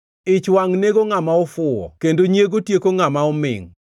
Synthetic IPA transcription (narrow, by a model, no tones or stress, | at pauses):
ɪt͡ʃwaŋneɡoŋamaɔfʊɔ̰kendoɲjeɡotjekoŋamaɔmɪ̰ŋ